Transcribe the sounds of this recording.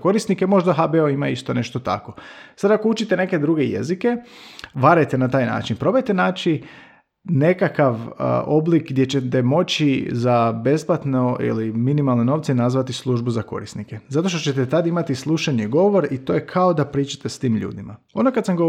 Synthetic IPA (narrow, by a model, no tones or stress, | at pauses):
ko̞ɾisnikemo̞ʒd̪aɦabeoimaist̪one̞ʃt̪o̞t̪a̰ko̞sad̪ako̞ut͡ʃit̪ene̞ke̞d̪ɾuɡeje̞̰zike̞ʋaɾajt̪enat̪aːjna̰ːt͡ʃinpɾo̞bajt̪enaːt͡ʃi | ne̞kakaʋ̰o̞blikɡd̪jet͡ɕet̪emo̞t͡ɕizabe̞splat̪noḭliminimalˠneno̞ːʋt̪senazʋat̪islˠuʒbuzako̞̰ɾisnikezat̪o̞ʃ̬t̪o̞t͡ɕet̪et̪ad̪imat̪islˠuʃaɲeɡo̞ʋo̞ɾit̪o̞ːjekʰao̞d̪apɾiːt͡ʃḁt̪est̪iːmʎṵːd̪ima | o̞nokad̪samɡo